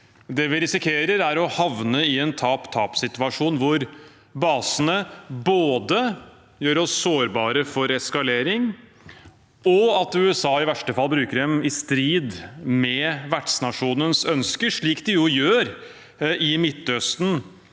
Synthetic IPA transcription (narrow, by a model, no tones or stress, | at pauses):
d̪ɛʋɪɾɪsɪkʰeːɾəɾæɾɔhɑʋnəɪɛnt̪ʰɑːpt̪ʰɑːpsɪt̪ʉɑʂuːnʋʊɾ | bɑːsənəboːd̪ə | jøːɾɔsːoːɾbɑːɾəfɔɾɛskɑleːɾɪŋ | ɔɑt̪ʉɛsɑːɪʋæʂʈəfɑlːbɾʉːkəɖɛmɪst̪ɾiːd̪mɛʋæʈsnɑʂuːnənsœnskəʂɭiːkd̪ɪjʊjøːɾ | ɪmɪt̪ːœst̪n